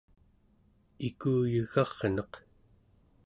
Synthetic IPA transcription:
ikuːjəɣɑʁnʌq

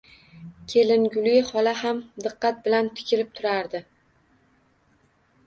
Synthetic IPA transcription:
kʲʰe̞lɪnɡʲʊlhɒlahamd̪ɨqːɑt̪̚bɪlant̪ʰɪ̥kʲʰɪɾɪp̚t̪ʰʊɾaɾd̪ɪ

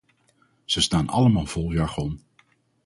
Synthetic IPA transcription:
z̥əstaːnɑ̰ləmaːlˠv̥ɔlˠjɑɹχɔn

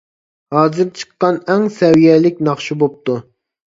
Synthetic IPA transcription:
hɑːzɨɾt͡ʃʰə̥qːɑnɛŋsɛwijɛːlɪk̚ʲnɑχʃubop̚t̪ʰu

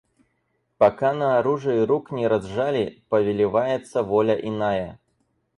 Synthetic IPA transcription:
pɐkanɐːɾuʐɨiɾuknʲɪɾɐzʐalʲɪpəvʲɪlʲɪvajɪt̪səvolʲəʔɪnajə

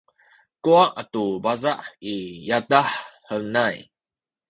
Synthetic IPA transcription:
kuaʔatubazaʔijadaħhəlnaj

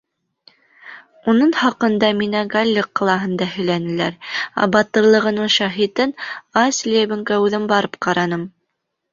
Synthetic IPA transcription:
unɤɴhɑqɤ̆nd̪ɑminæɡalʲːɘqːɑlˠɑɦɤ̆nd̪ɑɦɵ̆jlænɘ̆læ̰ɾæ̰bɑt̪ɤ̆ɾlˠɤ̆ʁɤ̆nɤɴʃɑɦit̪ɤnɑsʲlʲeβɘ̆ŋkæʉðɘmbɑɾɤpqɑɾɑnɤm

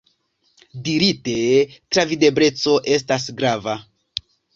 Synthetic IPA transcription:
diɾite̞tɾavide̞bɾe̞t͡so̞ʔe̞s̬tas̬ɡɾava

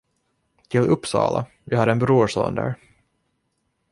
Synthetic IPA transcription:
t̪ʰɪlɵpːsɑ̰ːla | vɪhɑd̪ɛnbɾuːʂo̰ːnd̪æ̰ːɾ

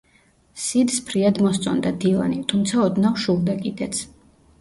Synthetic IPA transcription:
sid̪spʰɾiad̪mɔst̪sʼɔ̰nd̪ad̪ilˠa̰nit̪ʰumt̪sʰaɔd̪nafʃulˠd̪akʼid̪ɛt̪sʰ

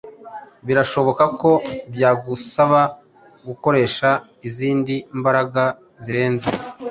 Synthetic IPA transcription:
βiɾaʃo̞βo̞kako̞bjaːɡusaβa | ɡuko̞ɾe̞ːʃa | iziːndimbaɾaɡa | ziɾe̞ːnzḛ

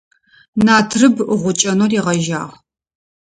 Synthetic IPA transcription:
naːtʰrɨbɨʁʷʊt͡ʃʼɐnoriːʁɐʒa̰ːʁ

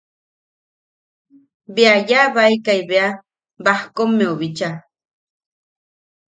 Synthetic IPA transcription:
beajaβaaikajβea | bahkomːeuβit͡ʃa

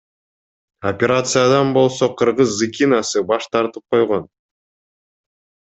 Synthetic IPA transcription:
opʲeɾat̪sɨjad̪ɑnbo̞lˠso̞qʰɯɾʁɯzːɨkʲinasɯbɑʃt̪ʰɑɾt̪ɯp̚qʰo̞jʁo̞n

